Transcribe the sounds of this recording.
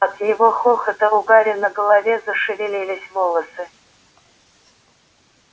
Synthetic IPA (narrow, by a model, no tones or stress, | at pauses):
at̪ʰjɪvoχoχɐd̪ɐuɡaɾʲɪnɐɡɐlˠɐvʲezɐʂɨvʲɪlʲilʲɪsʲvolˠɐsɨ